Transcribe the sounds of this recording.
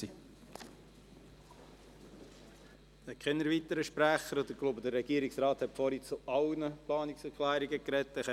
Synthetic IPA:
i | ɛkχɛnəɾvit̪əɾəʃpɾæχəɾod̪əklubəd̪əɾːɛɡ̥iəɾiksɾɑːt̪hɛtfɔɾit͡suɑwnəplɑːniksəkʰlæːɾiɡəkɾɛt̪ːɛχɛ

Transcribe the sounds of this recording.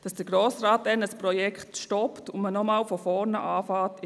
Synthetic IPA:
d̥ɑsd̥əɡɾoːsraːt̚d̥ɛnəspɾɔjɛkχtʃtɔptʊmənɔmaːlfɔfɔːɾnəʔaːfɑːt

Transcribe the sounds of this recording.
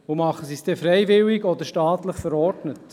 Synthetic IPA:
ʊmɑχəsisd̥̪ɛfɾɛɪvɪliɡɔd̪əɾʃtɑːt̪ləχfəɾɔɾdnət

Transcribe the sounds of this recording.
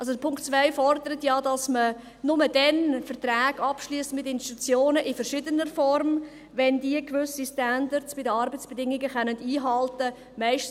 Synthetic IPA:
ɑlsodəpʰʊŋktt͡svaɪfɔrdəɾətjɑdɑsmə | nʊmədɛnfəɾtraːɡɑpʃliəstmɪtɪnstitut͡sjoːnəʔɪfəɾʃɪdənəɾfɔrm | ʋɛndiəkʋʏsistændəɾsb̥ɪdəɑɾbət͡sb̥ɛdɪŋiɡəχœnəndiːɦɑltə | mæɪʃt

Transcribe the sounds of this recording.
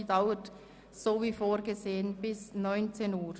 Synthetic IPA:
daʊət | z̥oːviːfoːɾɡəzeːənbɪsnɔʏnt͡seːnuːɾ

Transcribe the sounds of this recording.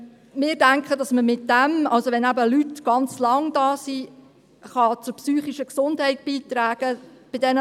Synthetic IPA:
mɪːɾdæŋkχədɑsməmɪtdæmɑlsoʋɛnæbəlytɡ̥ɑnt͡slɑŋdɑːsi | χɑt͡sʊɾpsyːχiʃəksʊndhɛɪt̚b̥iːt̪ɾæːɡ̥əb̥ɪdɛnə

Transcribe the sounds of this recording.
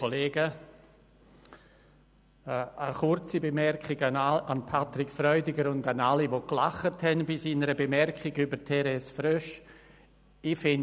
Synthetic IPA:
oleːɡə | əχʊɾt͡sibemɛɾkχɪɡanpʰatɾɪkfɾɔʏdɪɡəɾʊndanaliʋoklaχəthɛnbɪsiːnəɾəbemɛɾkχɪɡybəɾtʰɛɾɛsfɾøʃ | ifɪn

